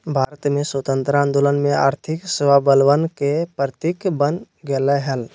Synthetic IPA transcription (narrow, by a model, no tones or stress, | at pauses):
bʱaːɾət̪mẽswət̪ə̃nt̪ɾãnd̪olənmẽa̰ːɾt̪ʰɪkswabəlʋənkepət̪ikbən | ɡeleɦəl